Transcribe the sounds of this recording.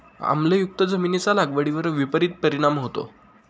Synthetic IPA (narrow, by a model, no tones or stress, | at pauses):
a̰m̤lejuk̚t̪əd͡zəminet͡salaɡʋəɽiʋəɾʋipəɾit̪̚pəɾiɽ̃amɦot̪o̰